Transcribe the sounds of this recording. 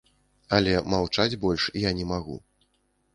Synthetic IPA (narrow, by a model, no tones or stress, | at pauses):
ɐlʲɛmawt͡ʂad͡zʲbɔlʲʂijanʲɛmaɣṵ